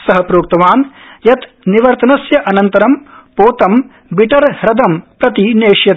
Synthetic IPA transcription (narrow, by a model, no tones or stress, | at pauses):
sɐɦɐpɾoːk̚t̪ɐʋaːnjɐt̪ | niʋɐɾt̪ɐnɐsjɐʔɐnɐnt̪ɐɾɐmpoːt̪ɐm | biʈɐɾhɾɐd̪ɐmpɾɐt̪ineːʂjɐt̪